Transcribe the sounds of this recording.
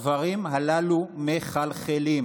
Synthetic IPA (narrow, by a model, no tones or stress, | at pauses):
vaʁimɦalalumeχalχelim